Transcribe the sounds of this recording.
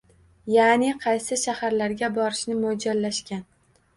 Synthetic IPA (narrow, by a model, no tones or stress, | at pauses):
janɪqʰɑjsɪʃahaɾlaɾɡʲabɒɾɪʃnɪmʊd͡ʒalːaʃkʲan